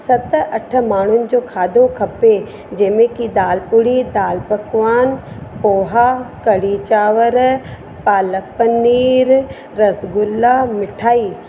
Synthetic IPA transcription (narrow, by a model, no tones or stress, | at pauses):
sɐt̪ɐʈʰmaːɳ̤ʊnɪd͡ʒoːkʰaːd̪okʰɐpe | d͡ʒemẽkid̪aːlpʊɽid̪aːlpəkʋaːn | poːɦakɐɽiːt͡ʃaːʋəɾ | paːlək̚pənːiːɾ | ɾɐsɡʊlːamɪʈʰaːiː